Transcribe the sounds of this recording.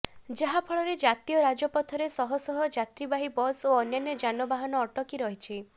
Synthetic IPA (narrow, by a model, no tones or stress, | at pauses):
d͡ʒaɦapʰɔɭɔɾed͡ʒat̪ijɔɾad͡ʒɔpɔt̪ʰɔɾesɔɦɔsɔɦɔd͡ʒat̪ɾibaɦibɔsoɔnjɔnjɔd͡ʒanɔbaɦɔnɔːʈɔkiɾɔɦit͡ʃʰi